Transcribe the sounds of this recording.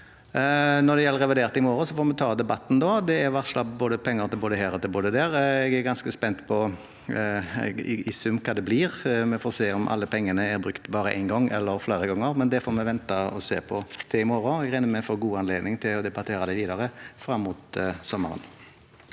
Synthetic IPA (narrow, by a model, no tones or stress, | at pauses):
nɔd̪ɛjɛlːəɾɛʋɛd̪eːɾt̪ɪmɔɾʊsɔfoːmɛt̪ʰɑːd̪ɛbɑt̪ːn̩d̪ɔd̪ɛæɾʋɑʁʂlɑbboːd̪əpʰɛŋːəɾt̪ʰɪlboːd̪əhæːɾɔt̪ʰɪlboːd̪əd̪ɛːɾɛɡæɾɡɑnskəspɛnt̪pʰɔ | ɪ̰sʉmkʰɑːd̪ɛbliːʁmɛfoːɾseːɔmʔɑ̰lːəpʰɛŋːənəæɾbɾʉkt̪bɑːɾəʔæ̰ɪnɡɔŋːɛ̰lːəɾfleːɾəɡɔŋːəɾmɛnd̪ɛfɔɾmɛʋɛnt̪ɑɔseːpʰɔt̪ʰɛɪmɔɾʊɛɡɾæɪnəmɛfoɡuːɑnleːd̪nɪŋt̪ʰɪlɔd̪ɛbɑt̪ʰeːɾɑd̪ɛʋiːd̪ɑɾəfɾɑmːʊt̪sɔmːəɾə̰n